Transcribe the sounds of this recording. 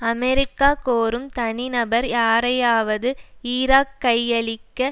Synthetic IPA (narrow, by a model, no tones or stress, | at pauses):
ɐmɛɾɪkːaːkoːɾɯmt̪ɐnɪnɐbɐɾjaːɾɐjaːʋɐðɯiɾaːkːɐjːɐɭɪkːɐ